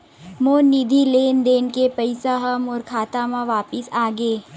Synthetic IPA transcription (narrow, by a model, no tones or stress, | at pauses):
moːnid̪ʱileːnd̪eːnkepɐɪsaɦɐmɔːɾkʰaːt̪amãʋaːpɪsaːɡeː